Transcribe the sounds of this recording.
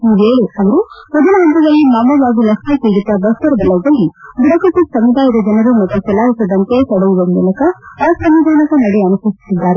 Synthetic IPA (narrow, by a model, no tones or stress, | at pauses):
iːʋeːɭiɐʋɐɾumɔd̪ɐnɐɦɐnt̪ɐd̪ɐlːimaːmɐʋaːɡilɐsmekeːɡit̪ːɐbɐst̪ɐɾɐb̪ɐlɐɐlːibiɽɐkɐʈːisɐmʋid̪ʱaːjɐd̪ɐd͡ʒɐnɐɾumɐt̪ːut͡ʃɛlaːɦisɐd̪ɐnt̪esɐɽɐʋuʋɐmmulɐkɐːsɐmʋid̪ʱaːnɐkɐnɐɽeɐnɐsɐsi̥sid̪ːaːɾe